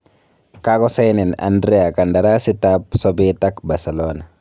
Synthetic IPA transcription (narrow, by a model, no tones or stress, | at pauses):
kakɔsɛjnɛna̰ndɾɛakandaɾasit̪apsɔbit̪akbaɾsɛlɔna